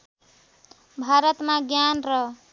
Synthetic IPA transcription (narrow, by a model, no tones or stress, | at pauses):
bʱaɾʌt̪maɡjanrʌ